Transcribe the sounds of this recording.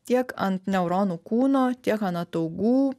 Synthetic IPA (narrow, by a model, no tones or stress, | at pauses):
t̪ʲiɛkɐnt̪nʲɛʊɾoːnuːkuːnoːt̪ʲiɛkɐnɐt̪ɐʊɡuː